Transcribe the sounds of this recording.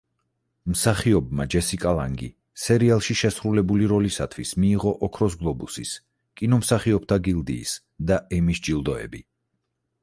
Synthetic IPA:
msaχiɔbma̰d͡ʒɛsikʼalˠaŋɡḭ | sɛɾialˠʃiʃɛsɾulɛbuliɾɔlisat̪ʰwismiːʁɔʔɔkʰɾɔs̬ɡlˠɔbusis | kʼinɔmsaχiɔp̚ʰt̪ʰaɡilˠd̪ḭːs | d̪aʔɛmisd͡ʒilˠd̪ɔɛ̰bi

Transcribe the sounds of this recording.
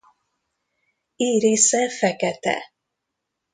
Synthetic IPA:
iːɾeːsɛfɛkɛt̪ɛ̰

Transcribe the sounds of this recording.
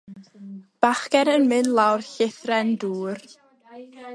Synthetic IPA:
b̥aχkɛɾənmɨnlˠawrɬɪθrɛnduːr

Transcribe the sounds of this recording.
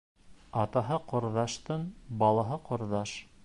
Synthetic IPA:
ɑt̪ɑɦɤqŏɾðɑʃt̪ɤɴbɑlˠɑɦɤqŏɾðɑʃ

